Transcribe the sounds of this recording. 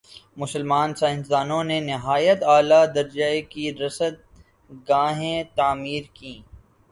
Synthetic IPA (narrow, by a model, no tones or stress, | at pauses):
mʊsəlmaːnsaɦɪ̃nzaːnõnenɪɦaːjət̪aːlad̪ɐɾd͡ʒəekiɾɐsət̪̚ | ɡaːɦẽt̪aːmiːɾkĩː